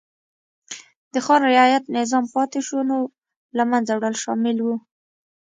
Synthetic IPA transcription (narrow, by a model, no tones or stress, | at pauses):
d̪̥əxɑɾɾɪɑjat̪nɪzɑmpɑt̪ɪʃono | lamanzawɽəlʃɑmɪlwu